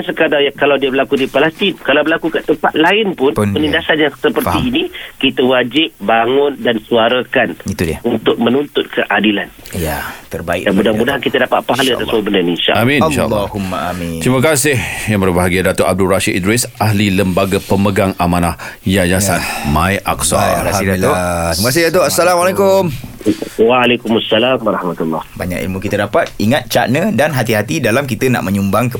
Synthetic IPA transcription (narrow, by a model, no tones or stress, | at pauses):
ansəkadajakalawdiəbəlakudipalɛst̪inkalawbəlakukaʔt̪əmpat̪̚laɪnpʊnpənindasanjaŋsəpəriːnikit̪awad͡ʒɪp̚baŋʊndansuaɾakanit̪udəunt̪ʊk̚mənunt̪ʊt̪̚kʰəʔadilanjat̪ərbaɪ̰ʔamudamudaɦankit̪adapa̰t̪̚paɦaləa̰t̪asmobəndaninʃa̰ʔamĩʃa̰lːhumːaamit̪ɾimakasɪhjaŋbərbaɦaɡiadat̪oʔab̚duraʃitid̪ɾisaɦliləmbaɡapəməɡaŋamanahjad͡ʒaanmajʔa̰ksa̰kaidaot̪ɾiməkas̬ɪhdat̪oʔasːalamwalajkʊm | waːlekumasːalamaɾɑhmat̪ulːɔhba̰ɲa̰kḭlmukit̪ədapat̪̚iŋat̪̚t͡ʃa̰ʔnə̃danɦat̪iɦat̪idalamkit̪əna̰ʔmə̃ɲumbaŋkə